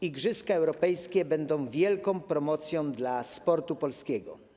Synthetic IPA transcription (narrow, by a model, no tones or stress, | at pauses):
iɡʐɘskaɛwɾɔpɛjskʲɛbɛnd̪ɔ̃w̃vʲjɛlkɔ̃w̃pɾɔmɔt̪sʲjɔ̃w̃d̪laspɔɾt̪upɔlskʲɛɡɔ̰